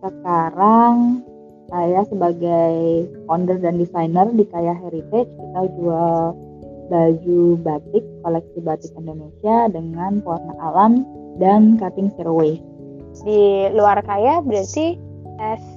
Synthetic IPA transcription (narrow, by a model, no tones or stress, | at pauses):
səkaɾaŋ | kajasəbaɡajkɔndərdandisajnərdikajaɦɛɾit̪ed͡ʒkit̪ad͡ʒual | bad͡ʒubat̪ɪkːolɛk̚sibat̪ɪkindonesiadəŋanpuarnaʔalam | dankat̪ɪŋsiɾwe | diluarkajabəɾat̪i | ʔɛs